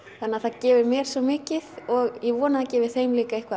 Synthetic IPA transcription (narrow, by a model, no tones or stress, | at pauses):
θanːaθaðcɛːvɪɾmjɛːɾ̥sɔmɪːcɪðɔɣjɛvɔːnaðacɛːvɪ̥θejmliːkaejhkva